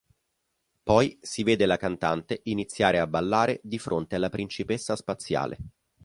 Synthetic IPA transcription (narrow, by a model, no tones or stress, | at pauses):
pɔjsiveːd̪elakant̪ant̪eʔinit̪sːjaːɾeabːalːaːɾed̪ifɾʔont̪ealːapɾint͡ʃipesːaspat̪sːja̰ːlʔḛ